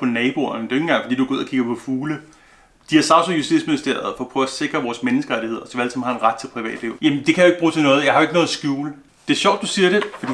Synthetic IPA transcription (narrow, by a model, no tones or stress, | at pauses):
pʰɒ̽nɛːb̥oɐnəde̝ʊeŋnŋɡɑ̈ŋfɒd̥ḭːd̥uæɡ̥o̝ð̩̰ˠɐkʰiɡ̥ɐpʰɒ̽fuːlə | d̥iæɐsɑ̈ʊsojusd̥ḭdsminisd̥eɐðˠfɒpʰʁœ̰ːɐse̝ɡ̥ʁɐʋɒːsmenəsɡ̥əʁaɾihe̝ð̞̰ˠɐsɒʋæl̰sɑm̩hɑ̈e̝nʁad̥̚t͡sʰe̝lpʰʁiʋɛ̰ːd̥leʊ̰jæmnd̥e̝kʰæjaeɡ̥̚b̥ʁuːt͡sʰe̝lnɔ̽ːð̞̩ˠjɑ̈hɑ̈oeɡənɔð̩ˠɐsɡ̥juːlə | d̥e̝æɐɕɒʊ̰d̥ːusiːɐɾ̥e̝fɒ̽d̥ḭ